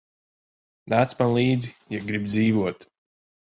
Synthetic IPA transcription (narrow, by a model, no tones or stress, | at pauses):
ðat̪smanlˠiːd̪zijaɡɾib̚d̪ziːvuɔt̪